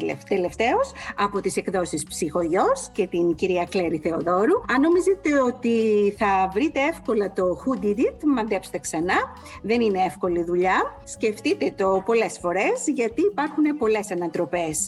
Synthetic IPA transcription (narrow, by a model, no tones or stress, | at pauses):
ft̪e̞le̞ft̪e̞osɐpo̞t̪ise̞kðo̞sispsixo̞ʝo̞sce̞t̪inciɾiɐkleɾiθe̞oðo̞ɾuɐno̞mizet̪e̞o̞t̪iθɐvɾit̪e̞e̞fko̞lɐt̪o̞xud̪iɾit̪mɐnd̪epse̥t̪e̞ksɐnɐ | ðe̞nine̞efko̞liðuʎɐsce̞ft̪it̪e̞t̪o̞po̞le̞sfo̞ɾe̞zʝɐt̪iːpɐɾxune̞po̞le̞sɐnɐt̪ɾo̞pe̞s